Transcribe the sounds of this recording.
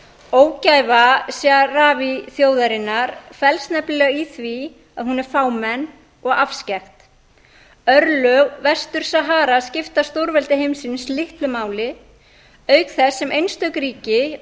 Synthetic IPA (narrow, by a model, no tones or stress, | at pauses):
oːwcajvasjaraːviθjoːwðaɾɪnːaɾfɛlst̪nɛplɛɣaiθvi | aðhunɛɾ̥faːwmɛnː | ɔɣafscɛxt̪ | œɾlœɣvɛst̪ʏɾ̥saɦaːɾascɪft̪ast̪owɾvɛlt̪ɪɦejmsɪnslɪhp̪lʏmaːwlɪ | œːɥkθɛsːɛmʔejnst̪œɥkɾiːcɪ